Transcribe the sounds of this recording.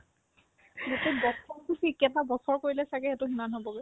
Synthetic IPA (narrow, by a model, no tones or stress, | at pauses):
ɡotɛbɔsɔɹkisikjɛtabɔsɔɹkoɹilɛsakɛɛtʊximanɦobɔɡɛ